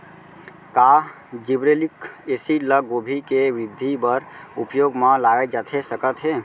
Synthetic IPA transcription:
kaː | d͡ʒibɾelɪkesiləɡoːbʱikeʋɾɪd̪ʱːibəɾʊ̰pjoːɡmãlaːed͡ʒat̪ʰesəkət̪ɦeː

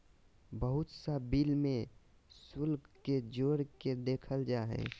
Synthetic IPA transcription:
bəɦʊt̪sabiːlmẽ | sʊlɡkːed͡ʒoːɾked̪eːkʰəld͡ʒaːɦɛ̰ː

